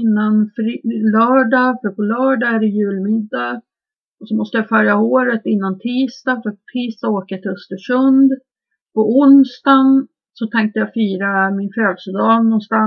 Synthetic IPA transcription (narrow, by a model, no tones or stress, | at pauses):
nːanfɾlœːɖɑfœɾpʰɔlœːɖɑæɖɛjʉ̟ːlmɪd̪ːa | ɔsɔmɔst̪əjafœɾjaoːɾət̪ɪnːant̪ʰiːst̪afɾatt̪ʰiːst̪aoːkət̪ʰɪlɵst̪əʂɵnd̪ | pɔʊnst̪an | sɔt̪ʰɛŋk̚t̪əjɑfyːɾamɪnføːd̪səd̪ɑːnɔnst̪an